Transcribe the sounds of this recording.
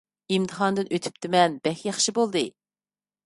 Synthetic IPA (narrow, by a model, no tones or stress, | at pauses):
imt̪ʰɨɦɑnd̪ɨnøt̪ʰy̥p̚t̪ʰɪmɛnbɛxʲjɑχʃibolˠd̪ɨ